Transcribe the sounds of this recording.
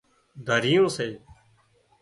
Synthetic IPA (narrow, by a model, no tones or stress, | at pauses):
d̪ʱəɾijõːseː